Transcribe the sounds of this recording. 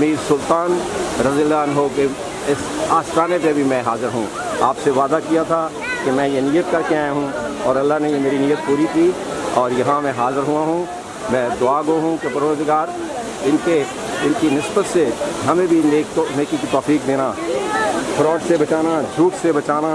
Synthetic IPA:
misʊlt̪aːnɾɐziəlːaːnɦoke | ɪsaːst̪ʰaːnepebʱimɛ̃ɦaːzɪɾɦṵ̃ː | aːpseʋaːd̪akijat̪ʰa | kemɛ̃jeniːjːət̪kɐɾkeaːjaɦũɔːɾɐlːaɦnejemeːɾinijət̪̚puːɾikiː | ɔːɾjɐɦãmɛ̃ɦaːzɪɾɦʊaɦũ | mɛ̃d̪ʊaːɡoɦũkepɐɾoːzɡaːɾ | ɪnke | ɪnkinɪsbət̪seɦɐmẽbʱineːkt̪oneːkikit̪ɔːfiːkd̪eːna | pʰɐɾɔːt̪sebɐt͡ʃaːnad͡ʒʱuːʈsebɐt͡ʃaːna

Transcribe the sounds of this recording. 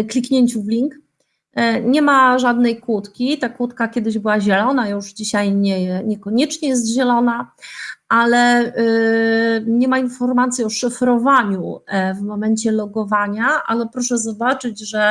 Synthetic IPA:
klʲikɲɛɲt͡ɕuvlʲiŋk | ɲɛmaʐad̪nɛjkwut̪kʲit̪akwut̪kakʲjɛd̪ɘʑbɘwaʑɛlɔnajuʐd͡ʑiɕajɲɛɲɛkɔɲɛt͡ʂɲɛjɛs̬t̪ʑɛlɔnaʔalɛ | ɲɛmainfɔɾmat̪sʲjiɔʂɘfɾɔvaɲuvmɔmɛɲt͡ɕɛlɔɡɔvaɲaʔa̰lɛpɾɔʂɛzɔbat͡ʂɘd͡ʑʐɛ

